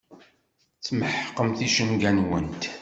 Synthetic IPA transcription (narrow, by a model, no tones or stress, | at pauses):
t͡sːməħqːəmθiʃəmɡænwənt̪